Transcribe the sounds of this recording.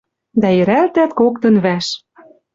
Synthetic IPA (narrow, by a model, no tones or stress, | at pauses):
d̪æjɘ̆ɾælt̪æt̪kokt̪ɤ̆nβæʃ